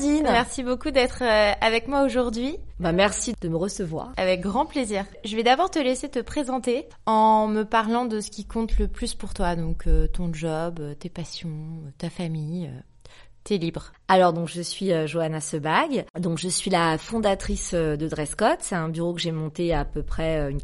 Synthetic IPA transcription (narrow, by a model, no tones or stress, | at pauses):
d̪inmɛʁsibokud̪ɛt̪χøavɛkmwaoʒuʁd̪ɥibamɛʁsid̪̥əməʁəsəvwa̰ːʁavɛk̚ɡʁɑ̃pleziːʁʒəvɛd̪abɔʁt̪əleset̪əpχezɑ̃t̪e | ɑ̃məpaʁlɑ̃d̪əsə̥kʲikʰɔ̃t̪ləplyspuʁt̪wad̪ɔ̃kʰøt̪ɔ̃ʒɔbøt̪epasjɔ̃t̪afamijø | t̪ɛlibʁ | alɔʁd̪ɔ̃kʒəsɥiøʒoanasəbaɡd̪ɔ̃kʒəsɥilafɔ̃d̪at̪χisød̪əd̪ʁɛskɔt̪sɛt̪ɛ̃byʁokəʒemɔ̃t̪eapøpχɛøyn